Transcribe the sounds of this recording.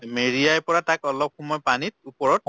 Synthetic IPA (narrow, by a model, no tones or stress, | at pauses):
meɹijajpɔɹatakɔlɔp̚xɔmɔjpanit̚upɔɹɔt̚